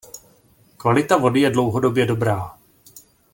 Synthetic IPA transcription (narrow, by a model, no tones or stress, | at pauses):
kvalɪt̪avo̞dɪjɛdlo̞wɦo̞do̞bjɛdo̞bɾaː